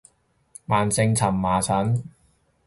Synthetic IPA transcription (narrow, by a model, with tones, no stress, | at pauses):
maː˨˩nt͡sɪ˧ŋt͡sʰɐ˨˩mːaː˨˩t͡sʰɐ˨˥n